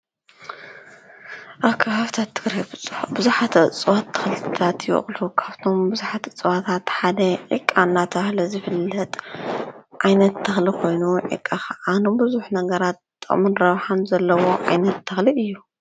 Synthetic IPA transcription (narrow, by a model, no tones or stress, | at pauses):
ʔakʰɐfaft̪ʰat̪ʰːɨɡɾajbbɨzuħat̪ʰɐt͡sʼɨwat̪ʰːɐ̥xlɨt̪ʰɨ̥t̪ʰat̪jɪʔχʼlukʰaβt̪ʰo̞mbɨzuħat̪ɨt͡sʼɨwat̪ʰat̪ħad̪ɐʕḭkʼːanːat̪ʰɐxlɐzɨfɨlːɐt̪ʼ | ʕajnɐt̪ʰːɐxlikʰo̞jnuʕḭkʼːaxɐʔanombɨzuħnɐɡɐɾat̪̚t̪ʼɨ̰χʼmɨnɾɐβħanzɐlːɐwo̞ʕa̰jnɐt̪ʰːɐxliʔɨjːu